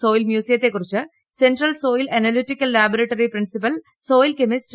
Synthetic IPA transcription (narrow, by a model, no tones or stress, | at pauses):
so̞ːjilmjuːsijɐt̪ːe̞kːurit͡ɕːɨ | senɖrɐlso̞ːjilɐnɐliʈːikːɐlːaːbɐɾɐʈːoːriprinsipɐl | so̞ːjilkemisʈ